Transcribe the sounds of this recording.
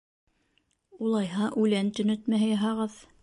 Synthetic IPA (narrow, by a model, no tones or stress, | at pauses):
ulˠɑjɦɑʔʉlænt̪ɵ̆nɵt̪mæɦɘjɑɦɑʁɤð